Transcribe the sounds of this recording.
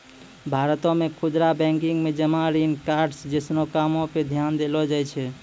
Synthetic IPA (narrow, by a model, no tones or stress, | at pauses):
bʱaɾət̪ɔ̃mekʰud͡ʒ̪ɾabɛ̃ŋkiŋɡmed͡ʒəmãɾinkaɾɖsd͡ʒəsnokamɔ̃ped̪ʱjand̪elɔd͡ʒajt͡ʃʰɛ